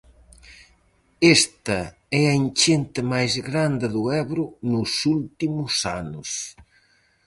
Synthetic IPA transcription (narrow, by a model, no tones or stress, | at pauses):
est̪ɐ | ɛɐent͡ʃent̪ɪmajzɣɾand̪ɪðʊɛβɾʊnʊsult̪imʊsa̰nʊs